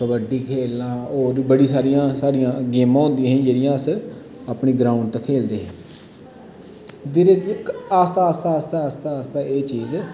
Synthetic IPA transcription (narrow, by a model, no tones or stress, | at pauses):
kəbəɖiːkʰeːlãːoːɾbəɽiːsaːɾijãːsaːɽijãːɡeːmãːɦõːnd̪ɪjãːɦĩːd͡ʒeːɽɪjãːəs | aːpɳiːɡɾaːʊɳɖt̪əkʰeːld̪eːɦɛ̃ː | d̪ɪɾɡaːst̪aːst̪aːst̪aːəst̪ast̪aːeːt͡ʃiːzɛː